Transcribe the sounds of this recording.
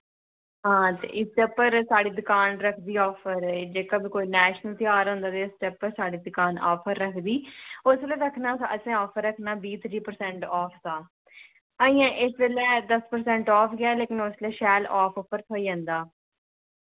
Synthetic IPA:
ɦãːt̪ḛːʔɪsʈ̪ɛpːəɾsaːɽiːd̪ʊkaːnɾəkʰd̪iːɔːpʰəɾd͡ʒeːkabikoːiːnɛːʃnəlt̪ɪaːɾɦõːnd̪aːt̪eːɪsʈ̪ɛːpːəɾsaːɽiːd̪ʊkaːnɔːpʰəɾːəkʰd̪iːʊseːleːɾəkʰnaːsəsẽːɔːpʰəɾːəkʰnaːbiːt̪ʰɾiːpəɾsɛ̃ːɳʈɔːpʰd̪aː | əːĩːãːʔɪsbeːlɛːd̪əspəɾsɛ̃ːɳʈɔːpʰɡɪaːleːkɪnʊsleːʃɛːlɔːpʰɔːpʰəɾt̪ʰoːiːd͡ʒãːnd̪aː

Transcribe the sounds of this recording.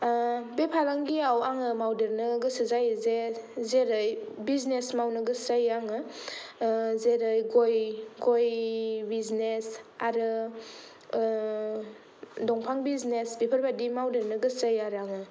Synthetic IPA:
bepʰaɾaŋɡiawaŋɯmawdeɾnɯɡɯsɯzajzezeɾɯjbiznesmawnɯɡɯsajaŋɯ | zeɾɯjɡojɡojbiznesaɾɯ | dɔŋpʰaŋbiznesbepʰəɾbadimawdeɾnɯɡɯsajaɾaŋɯ

